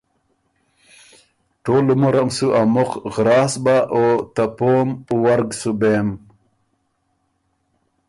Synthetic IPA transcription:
ʈoːlumuɾamsuʔamoqɣɾaːsbaʔot̪apomuwaɾɡsubem

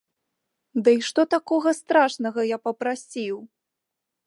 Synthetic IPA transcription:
d̪ɐiʂt̪ɔt̪akɔɣɐst̪ɾaʂnɐɣɐjapɐpɾasʲiw

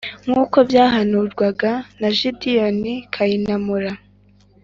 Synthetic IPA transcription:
ŋuːko̞bjaːɦanuːɾɡwaɡanaʒidijonikʰajinamuɾa

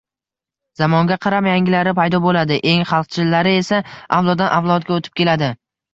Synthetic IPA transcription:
zamɒŋɡʲaqʰɑɾapjaŋɡʲɪlaɾɪpajd̪ɒbolad̪ɪʔe̞ŋχɑlˠq̚t͡ʃʰɪlːaɾɪe̞saavlˠɒd̪ːanʔavlˠɒt̪̚ɡʲaot̪ʰɪp̚kʲʰe̞lad̪ɪ

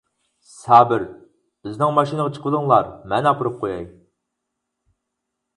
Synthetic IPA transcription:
sɑːbɪɾ | yznɪŋmɑʃinəʁɑt͡ʃʰə̥qʰəd̪əŋlˠɑɾmɛnɑpʰəɾɨp̚qʰojɑj

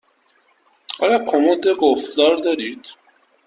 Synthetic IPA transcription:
ɒlɒkʰomod̪eɡofd̪ɒɾd̪ɒɾid̪̥

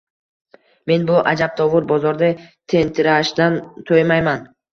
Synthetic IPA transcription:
me̞nbʊʔad͡ʒab̚t̪ʰɒvʊɾbɒzɒɾd̪at̪ʰe̞nt̪ʰɪɾaʃd̪ant̪ʰojmajman

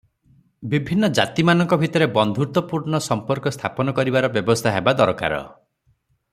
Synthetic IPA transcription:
bibʱinːɔd͡ʒa̰t̪imanɔŋkɔbʱit̪ɔɾebɔnd̪ʱuɾt̪ɔpuɾɳɔsɔmpɔɾkɔst̪ʰapɔnɔkɔɾibaɾɔbjɔbɔst̪ʰaɦebad̪ɔɾɔka̰ɾɔ̰

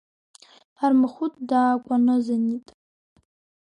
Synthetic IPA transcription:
armɨχʷʊtʼdaːkʷʼanɨzanitʼ

